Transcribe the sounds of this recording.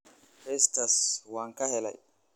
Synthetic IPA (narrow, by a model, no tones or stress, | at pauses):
fest̪ɐswaːŋkɐhɛlɐ̰j